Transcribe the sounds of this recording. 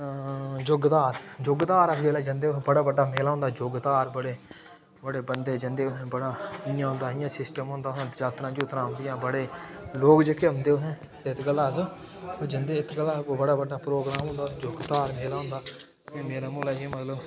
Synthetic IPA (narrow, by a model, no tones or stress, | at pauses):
d͡ʒʊɡd̪aːɾd͡ʒoːɡd̪aːɾəkʰd͡ʒeːlaːd͡ʒə̃nd̪eːʊɦbəɽaːbəɖːaːmeːlaːɦʊ̃nd̪aːd͡ʒoːɡd̪aːɾbəɽeː | bəɽeːbənd̪eːd͡ʒənd̪eːʊɦbəɽaːɪjãːɦʊ̃nd̪aːɪjãːsɪsʈəmɦʊ̃ːnd̪aːʊɦɛ̃ːd͡ʒaːt̪ɾãːd͡ʒuːt̪ɾãːɦʊnd̪ɪjãːbəɽeːloːkd͡ʒəkeːʊnd̪eːʊɦɛ̃ː | t̪eɪt̪ɡəlːaːs | oːd͡ʒənd̪eːɪt̪kəlaːoːbəɽaːbəɖːaːpɾoːɡɾaːmɦʊ̃nd̪aːd͡ʒoːɡd̪aːɾmeːlaːɦʊ̃nd̪aː | keːmeːɾaːmuːlãːmət̪ləb